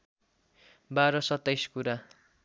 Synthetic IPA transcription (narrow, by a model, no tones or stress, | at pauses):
baɾʌsʌt̪ːʌjskuɾa